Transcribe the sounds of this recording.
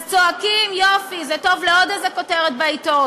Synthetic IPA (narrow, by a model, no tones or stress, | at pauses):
t͡soakimjofizɛto̞vleod̪azeko̞teʁet̪̚baito